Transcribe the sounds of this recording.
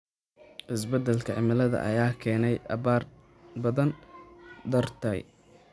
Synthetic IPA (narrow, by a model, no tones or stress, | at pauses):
ʔɪsbɐd̪ɛlkʰɐʕɪmɐlɐðɐ̰ʔɐ̰jaːkʰɛːnɛjʔɐβaːr | bɐðɐnd̪ɐrt̪ʰɐj